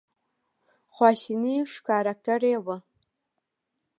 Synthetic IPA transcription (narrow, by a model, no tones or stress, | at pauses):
χʷaʃiniʂkʰaːɾak̚kareːwa